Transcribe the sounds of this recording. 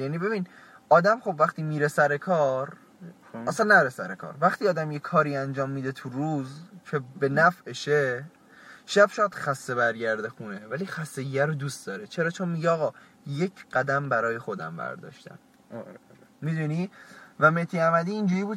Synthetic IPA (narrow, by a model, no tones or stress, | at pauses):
jænibe̞bin | ɒːd̪æmχo̞bvæχt̪iːmiːɾe̞sæɾe̞kʰɒːɾ | æsænːæɾesæɾekʰɒ̰ːɾvæχt̪ʰiːɒːd̪æmje̞kʰɒːɾiːænd͡ʒɒːmːiːd̪e̞t̪ʰuɾuːzcʰe̞be̞næfeʃe | ʃæbʃɒːjæd̪̥xæsːe̞βæɾɟæɾd̪exunevæliːxæsːeɡæɾod̪ust̪d̪ɒːɾet͡ʃʰe̞ɾɒːt͡ʃʰo̞nmiɟeɒːɣɒː | je̞cʰɢ̥æd̪æmbæɾɒːje̞xo̞d̪æ̰mbæ̰ɾd̪ɒ̰ːʃt̪ʰæ̰m | mid̪uniːvæmet̪ʰiːæmæd̪iːnd͡ʒuːɾiːbuːd̪